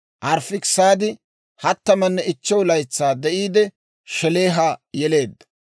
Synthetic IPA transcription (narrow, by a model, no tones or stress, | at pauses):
ʔɐɾfɪksaːd̪ɪ | hɐt̪ːɐmɐnːɛɪt͡ʃːɛwlɐjt͡sːaːd̪ɛʔiːd̪ɛ | ʃɛle̞ːɦajɛle̞ːd̪ːɐ̥